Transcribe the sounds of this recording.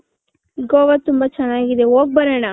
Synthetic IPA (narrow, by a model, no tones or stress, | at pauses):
ɡoːʋɐt̪umbɐt͡ʃɛnːaːɡid̪eɦoːɡ̚bɐɾeːɳa